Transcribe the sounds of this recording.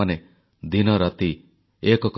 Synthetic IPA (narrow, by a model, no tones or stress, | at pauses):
ane | d̪inɔɾɔt̪i | ekɔk